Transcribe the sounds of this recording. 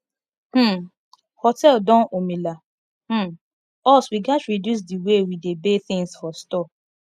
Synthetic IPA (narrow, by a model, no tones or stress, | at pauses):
h̩ | hɔtɛldɔ̃nomila | h̩ | ɔswiɡatɹidjus̬diwewidebeθɪ̃ŋsfɔstɔ